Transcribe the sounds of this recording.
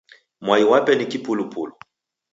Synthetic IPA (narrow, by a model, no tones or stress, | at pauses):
mwaiwapɛnikipulupulu